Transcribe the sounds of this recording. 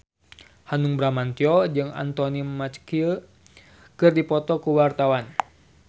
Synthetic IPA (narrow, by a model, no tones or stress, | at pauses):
hanuŋbɾamant̪iɔd͡ʒɨŋa̰nt̪ɔnimat͡ʃkiə | kɨrdipɔt̪ɔkuwart̪awan